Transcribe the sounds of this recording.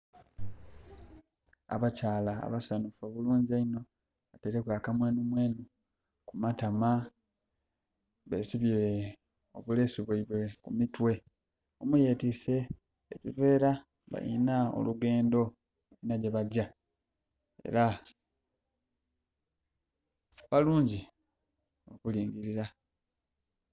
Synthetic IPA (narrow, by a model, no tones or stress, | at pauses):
a̰βacaːla̰ːβasanufoβuluːɲzaino̞ | ateɾekwaːkamwe̞ːnumwe̞ːnu | kumatama | βe̞̰ːsiβiɾe | o̞̰βule̞ːsiβwaiβwe̞kumitwe̞ | omuje̞ːtise̞ː | cive̞ːɾa | βa̰jḭnao̰luɡe̞ːndo̞ | βajinaɟeβaɟa | ḛɾa | βaluːɲɟi | o̞kuliːŋɡiɾiɾa